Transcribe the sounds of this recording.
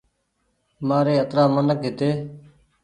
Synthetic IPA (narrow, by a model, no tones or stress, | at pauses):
maːɾeːət̪ɾaːmənəkɦɪt̪eː